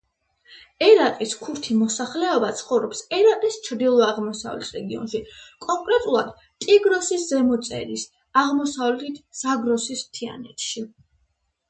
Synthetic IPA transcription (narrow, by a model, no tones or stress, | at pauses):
ɛɾaqʼiskʰuɾt̪ʰimɔsaχlɛɔbat̪sʰχɔvɾɔpsɛɾaqʼist͡ʃʰɾd̪ilˠɔaʁmɔsa̰vlɛ̰t̪ʰɾɛɡiɔ̰nʃikʼɔŋkʼɾɛt̪ʼulˠa̰d̪̥ | t̪ʼiɡɾɔsiszɛmɔt̪sʼɛ̰ɾis | aʁmɔsavlɛt̪ʰit̪ʰz̥aɡɾɔsist̪ʰia̰nɛt̪ʰʃi